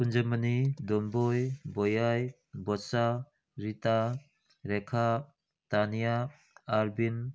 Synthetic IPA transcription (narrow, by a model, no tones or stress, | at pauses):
kund͡ʒəmənidɔnbɔjbɔjaj | bɔsa | ɾita | ɾɛkʰa | tanijaː | ɾbin